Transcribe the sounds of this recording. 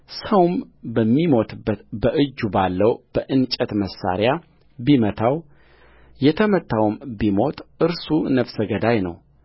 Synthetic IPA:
səwmbəmːimo̞t̪ʰɨbːət̪bəʔɨd͡ʒːubalːəwb̥əʔɨnt͡ʃʼət̪məsːa̰ɾja | bimət̪ʰaw | jɛt̪ʰəmət̪ʰːawmbimo̞t̪ʼɨɾsunəfsəɡəd̪ajnə̰w

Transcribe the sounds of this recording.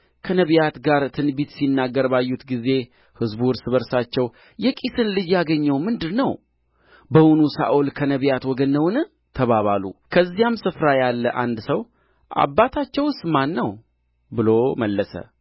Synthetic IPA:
kʰənəβjat̪ɡaɾt̪ʰɨnbit̪sinːaɡːəɾbajːut̪ɡize̞ | hɨzbuɾsɨβəɾsat͡ʃːɛw | jɛkʼisɨnlɨd͡ʒjaɡəɲːɛwmɨnd̪ɨɾnəw | bəwunusa̰ʔulkʰənəβjat̪wɔɡənːəwnɨ | t̪ʰəβaβalṵkʰəzːijamsɨfɾajalːəʔa̰nd̪səw | ʔa̰bːat̪ʰat͡ʃːɛwst̪manːəw | bɨloməlːəsə̰

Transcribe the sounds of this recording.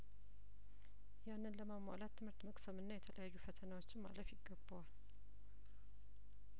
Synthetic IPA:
janːɨnləmamːa̰lat̪ʰːɨmhɨɾt̪məkʼsəmɨnːajɛt̪ʰəlʔəjajːufət̪ʰənawo̞t͡ʃːɪnma̰ləfjɪɡːəbːəwal

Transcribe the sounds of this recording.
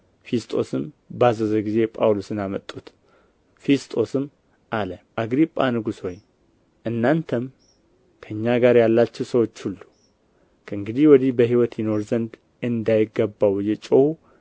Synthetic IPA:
fest̪ʼo̞̰sɨm | bazəzəɡize̞pʼawlosɨnamət̪ʼːut̪ | fest̪ʼo̞sɨm | ʔaləʔaɡɾipʼːanɨɡusho̞j | ʔɨnːant̪ʰəm | kʰəɨɲːaɡaɾjalːat͡ʃːɛwsəwo̞t͡ʃːhulːu | kʰəɨŋɡɨd̪ihwɔd̪ihbəɦiwɔt̪jɪno̞ɾzənd̪ | ɨnd̪ajɪɡːəbːawjɛt͡ʃʼowu

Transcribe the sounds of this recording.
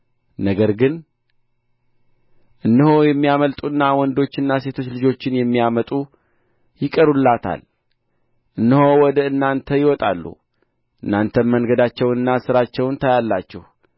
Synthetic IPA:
nəɡəɾɡɨn | ʔɨnːɨhojɛmːijaməlt̪ʼuɨnːawɔnd̪o̞t͡ʃːɨnːase̞t̪ʰo̞t͡ʃːlɨd͡ʒo̞t͡ʃːɪnjɛmːijamət̪ʼu | jɪkʼəɾulːat̪ʰa̰l | ʔɨnːɨhowɔd̪əɨnːant̪ʰəjɪwɔt̪ʼa̰lːṵ | ʔɨnːant̪ʰənmənɡəd̪at͡ʃːɛwnɨnːasɨɾat͡ʃːɛwnt̪ʰajalːat͡ʃːɛ̰hu

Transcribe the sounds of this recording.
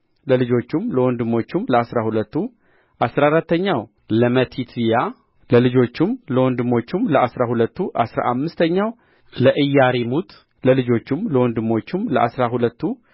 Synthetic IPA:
ləlɨd͡ʒo̞t͡ʃːumləwɔnd̪ɨmːo̞t͡ʃːumləasɾahulət̪ːu | ʔasɾaɾat̪ːəɲːaw | ləmət̪ʰit̪ʰja | ləlɨd͡ʒo̞t͡ʃːumləwɔnd̪ɨmːo̞t͡ʃːumləʔasɾahulət̪ːuʔasɾa̰ʔamːɨst̪ʰəɲːaw | ləʔɨjːaɾimut̪ | ləlɨd͡ʒo̞t͡ʃːumləwɔnd̪ɨmːo̞t͡ʃːumləʔasɾahulət̪ʰːu

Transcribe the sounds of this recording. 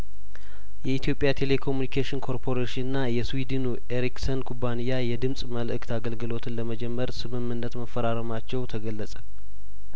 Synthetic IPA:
jɛit̪ʰjo̞pʼjat̪ʰe̞le̞kʰo̞mjunikʰeʃɪnkʰo̞ɾpʰo̞ɾeʃɪnɨnːajɛswid̪ɨnuʔe̞ɾiksənkʰubanijajɛd̪ɨmsʼməlʔɨkt̪ʰaɡəlɡɨlo̞t̪ʰɨnləməd͡ʒɛmːəɾsɨmɨmːɨnːət̪məfːəɾaɾəmat͡ʃːɛwt̪ʰəɡəlːəsʼə

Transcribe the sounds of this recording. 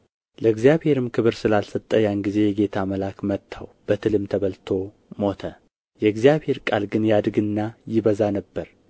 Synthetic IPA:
ləɨɡzjaβhe̞ɾɨmkʰɨβɨɾsɨlalsət̪ʼːəjanɡize̞jɛɡe̞t̪ʰaməlakmət̪ʰːawb̥ət̪ʰɨlɨmt̪ʰəβəlt̪ʰo̞ | mo̞t̪ʰə | jɛɨɡzjaβhe̞ɾkʼalɡɨnjad̪ɡɨnːajɪβəzanəbːəɾ

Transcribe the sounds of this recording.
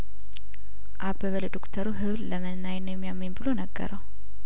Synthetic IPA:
ʔabəβəld̪okt̪ʰəɾuɦɨβlləmənːajnːojɛmːijamːimbɨlo̞nəɡːə̰ɾʔəw

